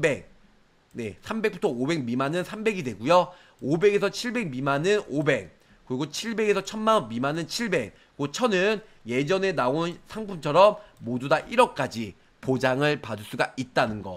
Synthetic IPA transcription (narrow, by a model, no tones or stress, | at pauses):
be̞k̚ | ne̞sʰambe̞kp͈utʰʌobe̞ɡmimanɯnsʰambe̞ɡidwe̞ɡujo | obe̞ɡe̞sʰʌt͡ɕʰiɭbe̞ɡ̚mimanɯnobe̞k̚ | kɯɾiɡot͡ɕʰiɭbe̞ɡe̞sʰʌt͡ɕʰʌnmanʌnmimanɯnt͡ɕʰiɭbe̞k̚ | k͈ot͡ɕʰʌnɯn | je̞d͡ʑʌne̞naonsʰaŋpʰumt͡ɕʰʌɾʌmːodudaʔiɾʌk̚k͈ad͡ʑi | pod͡ʑaŋɯɭpadɯɭs͈uɡaʔit̚t͈anɯnɡʌ